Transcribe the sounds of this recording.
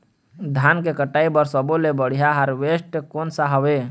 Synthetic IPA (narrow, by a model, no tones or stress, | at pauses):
d̪ʱankekəʈaːibəɾsɔbolebəɽ̤ijaɦaɾʋesʈkonsaɦəwe